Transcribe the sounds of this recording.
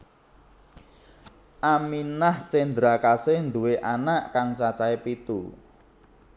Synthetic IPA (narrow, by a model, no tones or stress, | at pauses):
ʔaminaht͡ʃend̪ɾakasɪhnd̪uweʔanaʔkaŋt͡ʃat͡ʃaepit̪ṵ